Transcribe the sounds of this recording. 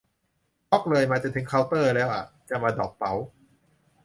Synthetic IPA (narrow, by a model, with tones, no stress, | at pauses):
pɔ˦˥k̚lɤː˧jmaː˧t͡ɕa˧˩t̪ɯ˩˦ŋkʰaː˧˥wt̪ɤː˥˩lɛː˦˥˩wʔa̰˨˩ | t͡ɕa˨˩maː˧dɔː˨˩k̚pa˩˦w